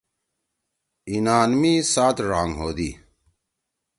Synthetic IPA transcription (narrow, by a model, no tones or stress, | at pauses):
inaːnmiːsaːt̪ɾaːŋɦoːd̪iː